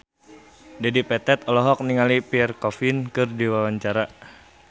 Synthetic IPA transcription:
dadipɛt̪ɛt̪ɔlɔɦɔk̚niŋalipiɛrkɔfɪnkɨrdiwawaɲt͡ʃaɾa

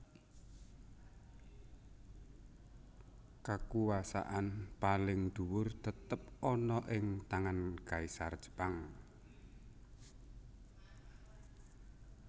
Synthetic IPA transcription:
kakuwasa̰ʔanpalɪŋd̪̥uwʊrt̪ət̪əp̚ɔnɔʔɪŋt̪aŋankaisard̥d͡ʒ̥ə̥paŋ

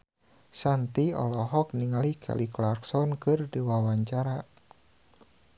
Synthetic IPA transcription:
sant̪iɔ̰lɔɦɔk̚niŋalikʰɛ̰liklarksɔnkɨrdiwawaɲt͡ʃaɾa

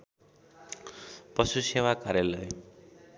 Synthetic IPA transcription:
pʌsusewakaɾjalʌj

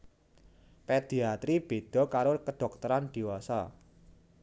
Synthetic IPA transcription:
ped̪̥i̤at̪ɾib̥e̤d̪̥ɔ̤kaɾokəɖ̥ɔ̤k̚t̪əɾand̪̥i̤wɔsa̰

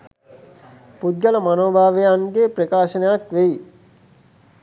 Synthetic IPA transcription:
pud̪jələmanoːbʱaːʋejaŋɡeːpɾekaːʃənejakʋei

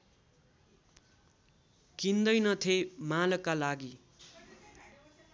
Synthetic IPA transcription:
kind̪ʌjnʌt̪ʰemalʌkːalaɡi

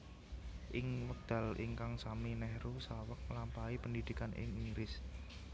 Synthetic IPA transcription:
ʔɪŋwək̚d̪̥a̤lḭŋkaŋsaminɛhɾusawək̚lampaipəndid̪̥i̤kanʔɪ̰ŋiɾɪs

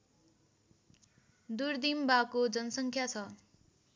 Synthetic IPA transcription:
d̪urd̪imbakod͡zʌnʌsʌŋkʰjat͡sʰʌ

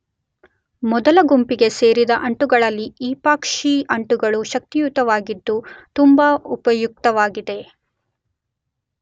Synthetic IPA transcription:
mɔd̪ɐlɐɡumpiɡe̞se̞ːɾid̪ɐʔɐɳʈuɡɐɭɐlːiiːpaːkʂiɐɳʈuɡɐɭuʃɐk̚t̪ijut̪ɐʋaːɡid̪ːut̪umbaːupɐjuk̚t̪ɐʋaːɡid̪e̞

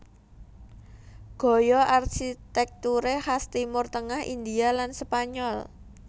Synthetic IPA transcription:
ɡ̥ɔ̤jɔʔarxit̪ɛk̚t̪uɾehast̪imʊrt̪əŋahʔḭnd̪ialanspaɲɔl

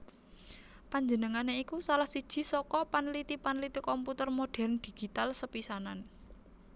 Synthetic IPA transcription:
paɲd͡ʒənəŋaneikusalahsid̥ʒ̥i̤sɔkɔpanlit̪ipanlit̪ikɔmput̪ərmoɖ̥ɛ̤rnd̪̥i̤ɡ̥i̤t̪alsəpisanan

